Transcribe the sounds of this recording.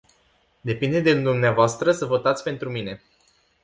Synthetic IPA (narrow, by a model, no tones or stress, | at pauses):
d̪e̞pind̪e̞d̪ed̪umneavoast̪ɾəsəvo̞t̪at̪sʲpe̞nt̪ɾumine̞